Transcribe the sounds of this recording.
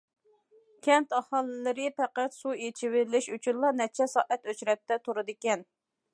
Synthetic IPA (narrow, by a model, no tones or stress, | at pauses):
kʲʰɛnt̪ɑhɑlˠːɪlɪɾɪpɛqæt̪suet͡ʃʰiwɪɾɪlɪʃyt͡ʃʰynlˠɑnɛt͡ʃʰɛsɑːʔɛt̪øt͡ʃɾɛp̚t̪ɛt̪ʰoɾɨd̪ɨkʲɛn